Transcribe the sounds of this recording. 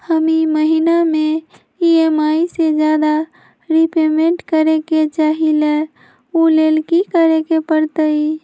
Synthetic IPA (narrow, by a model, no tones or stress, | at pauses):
həmiməɦiname | iemaised͡ʒjad̪a | ɾipemeɳʈkəɾeket͡ʃaɦile | ulelkikəɾekepəɾt̪əi